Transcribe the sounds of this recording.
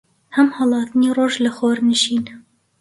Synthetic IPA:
hɛmhɑlˠɑːt̪niːroːʒləxoːɾnɨʃiːn

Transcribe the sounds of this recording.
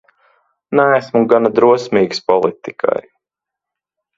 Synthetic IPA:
næːsmuɡanad̪ɾuɔsmʲiːɡspɔlˠit̪ikʰa̰j

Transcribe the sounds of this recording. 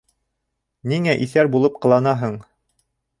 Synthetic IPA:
niŋæʔiθæɾbulˠɤp̚qɤ̆lˠɑnɑɦɤɴ

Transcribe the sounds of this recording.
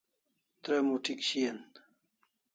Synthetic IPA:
t̪ɾemuʈʰikɕijen

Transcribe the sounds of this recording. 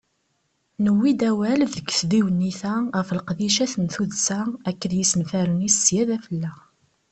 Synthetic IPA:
nəwːid̪æwælðəɡθðiwənːiθæʁəfəlqðiʃæθənθuðsæækːəðjisənfæɾənisjæðæfəlːæ

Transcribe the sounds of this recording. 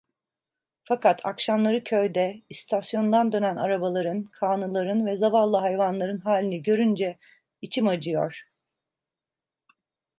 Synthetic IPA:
fakʰat̪ʰa̰kʃamlˠaɾɯcʰø̞jd̪ɛist̪ʰasjo̞nd̪and̪ø̞næna̰ɾabalˠaɾɯnkʰaːnɯlˠaɾɯnvɛzavalˠːaɦajvanlˠaɾɯnɦaːlʲinɛɟø̞ɾynd͡ʒɛ | it͡ʃʰimad͡ʒɯjo̰ɾ̥

